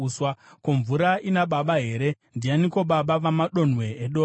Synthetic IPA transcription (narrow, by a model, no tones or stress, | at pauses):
swakoɱvuɾaʔinaɓaɓaɦe̞ɾe̞ | ndijaniko̞ɓaɓaʋamaɗo̞n̤we̞ːɗoː